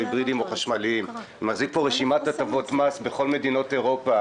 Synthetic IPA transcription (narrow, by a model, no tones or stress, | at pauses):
ibʁidimo̞χaʃmaliim | maχzik̚po̞ʁeʃimatatavo̞tmasbeχo̞lme̞dino̞te̞ʁo̞pa